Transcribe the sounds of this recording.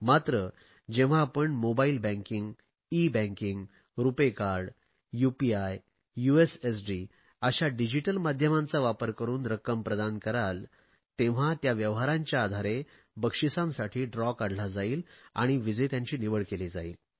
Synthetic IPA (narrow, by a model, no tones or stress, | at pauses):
mat̪ɾə | d͡ʑẽʋ̤aːpəɳmobailbæ̃ŋkiŋɡ | ibæ̃ŋkiŋɡ | ɾupekaɾɖ | jupiaj | juesesɖi | əɕaɖid͡ʑiʈəlmad̪ʱjəmãnt͡saʋapəɾkəɾuːnɾəkːəmpɾəd̪ankəɾal | t̪ẽʋ̤at̪jaʋjəʋɦaɾãɲt͡ɕjaːd̪ʱaɾe | bəkʂisãmsaʈʰiːɖɾɔkaɽʱlad͡zaiːla̰ɽ̃iʋid͡zəjt̪jãɲt͡ɕiːniʋəɭkeled͡zaiːl